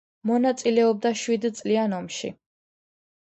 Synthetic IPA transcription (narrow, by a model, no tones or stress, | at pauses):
mɔnat̪sʼilɛɔb̚d̪aʃwid̪t̪sʼlianɔmʃḭ